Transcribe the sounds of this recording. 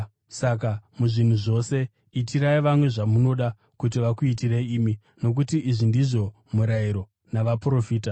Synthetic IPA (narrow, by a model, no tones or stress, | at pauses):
sak̬amuʐin̤uʐo̞se̞ | itiɾaiʋamwe̞ʐamuno̞ɗa | kut̬iʋakuit̬ireiiːmi | no̞k̬utiʔiʐindiʐo̞ | muɾaiɾo̞ | naʋapuro̞fiːta